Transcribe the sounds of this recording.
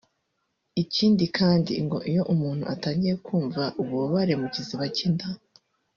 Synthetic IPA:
iciːndikʰaːndḭŋɡo̞ʔijo̞ʔumuːn̥hṵʔataːɲɟiɾekʰuːɱvaʔuβuβoβaɾe̞muɟiziβacinda

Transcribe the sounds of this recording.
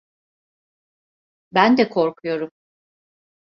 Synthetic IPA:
bænd̪ɛkʰo̞ɾkʰujo̞ɾum

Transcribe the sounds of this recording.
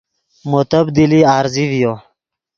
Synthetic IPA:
mot̪əbd̪iliaːɾzivjo

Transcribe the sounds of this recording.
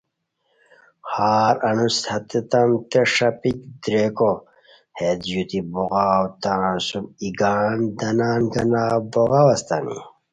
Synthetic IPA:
haːɾɐnushɐt̪et̪ɐmt̪eʂɐpikd̪ɾeko | hed̪jut̪ibuɣaːwt̪ãːsumiɡaːnd̪ɐnaːnɡɐnaːboɣɐwɐst̪ɐ̰nḭ

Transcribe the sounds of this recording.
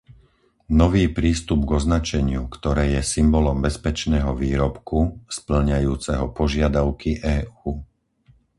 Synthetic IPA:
nɔʋiːpɾiːst̪ubɡɔznat͡ʃɛɲɪukt̪ɔɾɛːjɛsimbɔlɔmbɛspɛt͡ʃnɛːɦɔʋiːɾɔpkuspl̩ɲajuːt͡sɛɦɔpɔʒɪad̪aʊkiʔɛːuː

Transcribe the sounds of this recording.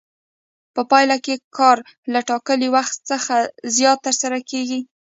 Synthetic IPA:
pəpɑjlakekʰɑɾ | laʈɑkəliwaxt̪səxazjɑt̪ːəɾsaɾakeɡi

